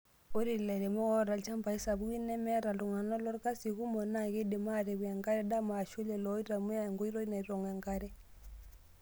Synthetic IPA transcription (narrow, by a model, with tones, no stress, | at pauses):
o˦ɾi˨lɛ˨ɾe˨mɔ˦ɣɔ˦ɾa˨lt͡ʃa˦mba˨i˦sa˨βu˦i˦nɛ˦mɛ˦ɾa˨lu˨ŋa˨nɔ˦lɔ˦ɾka˦si˨ɣu˦mɔ˨na˦˨ɣe˦de˨ma˦˨ɾe˨βwa˨ŋɡa˦ɾɛ˦da˦maː˨ʃu˦lɛ˨lɔ˦i˦ɾa˨mu˦ja˦˨ŋɡɔ˦i˦ɾɔ˦i˦na˨i˦ɾɔ˨ŋɡwa˨ŋɡa˦ɾɛ˦